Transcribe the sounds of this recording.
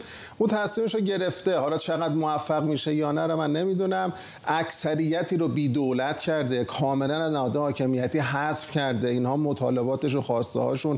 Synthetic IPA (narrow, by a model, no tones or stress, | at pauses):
unt̪ʰæsmiːmeʃoɟe̞ɾe̞ft̪e̞hɒːlɒːt͡ʃʰeɣæd̪moæfːæɣmiːʃejɒːnæɾomænːemiːd̪unæm | æcsæɾijːæt̪ʰiːɾobiːd̪olæt̪ʰcʰæɾd̪e̞kʰɒːme̞lænæznæhɒːd̪ehɒːcʰe̞mijæt̪ʰiːɦæsfcʰæɾd̪einhɒːmot̪ʰɒ̰ːle̞bɒːt̪e̞ʃ̬uxɒːst̪ḛhɒ̰ːʃun